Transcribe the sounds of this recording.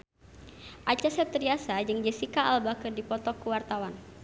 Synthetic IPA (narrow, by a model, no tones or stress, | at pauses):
ʔat͡ʃasɛp̚t̪ɾiasad͡ʒəŋd͡ʒɛsikaalbakərdipɔt̪ɔkəwart̪awan